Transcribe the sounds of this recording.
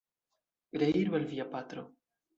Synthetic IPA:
ɡɾeiɾbalviapat̪ɾo

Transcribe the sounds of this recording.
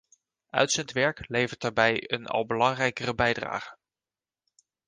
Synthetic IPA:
œ̰ɥtsəntʋɛɹklejvəɹtaːɹbɛjə̰nʔɑ̰lˠbəlɑŋrɛjkərəbɛjdra̰ːχən

